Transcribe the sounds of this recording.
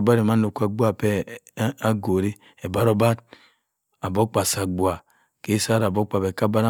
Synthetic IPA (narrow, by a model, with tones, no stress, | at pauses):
ba˦ɾe˨ma˦no˨kʷa˨ɡ͡bu˦a˦˨pe˦ | a˦ɡo˨ɾi˦ | e˨ba˦ɾo˦ba˦d | a˨bo˦k͡pa˨sa˨ɡ͡bu˨a˨ | ke˦sa˦ɾa˨bo˦k͡pa˨be˨ka˦ba˦ɾa˦